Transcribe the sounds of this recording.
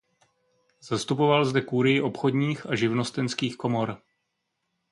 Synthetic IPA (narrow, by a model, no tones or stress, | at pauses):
z̥ast̪upo̞valzdɛkuɾɪjɪʔo̞pxo̞d̪ɲiːxaʒɪvno̞st̪ɛnskiːxko̞mo̞ɾ